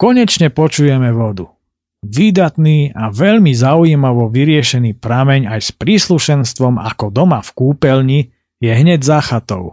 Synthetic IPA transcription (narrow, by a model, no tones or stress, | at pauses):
kɔɲɛt͡ʃɲɛpɔt͡ʃujɛmɛʋɔd̪u | ʋid̪at̪niːaʋɛʎmizaujiːmaʋɔʋiɾɪɛʃɛniːpɾamɛɲajspɾiːsluʃɛnst̪ʋɔma̰kɔd̪ɔmafkuːpɛlɲi | jɛɦɲɛɟzaxat̪ɔ̰ʊ